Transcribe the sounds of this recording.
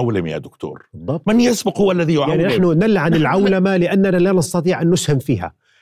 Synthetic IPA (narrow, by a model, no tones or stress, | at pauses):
awlɪmja̰d̪ʊkt̪o̰ːɾbɨðˤːɑb̚tmɪnjɪsbɪqhʊwːalːaðijʊʕjaʕninaħnʊnalːaʕanɪlʕawlamalɪʔanːanalanɑst̪ɑt̪ˤiːʕʔanːʊshɪmfiːha̰